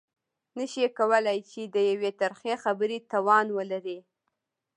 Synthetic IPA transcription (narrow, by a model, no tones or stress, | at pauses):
nəʃikawəlajt͡ʃed̪əjawet̪aɾxexabəɾit̪ɑwɑnwəlaɾi